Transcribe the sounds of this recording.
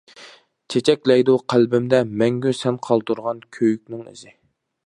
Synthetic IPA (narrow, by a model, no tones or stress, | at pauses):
t͡ʃʰet͡ʃʰɛkʲlɛjd̪uqʰælbɪmd̪ɛmɛŋɡʲysɛnqʰɑlˠt̪uɾʁɑnkʲʰøjyk̚ʲnɪŋḭzɪ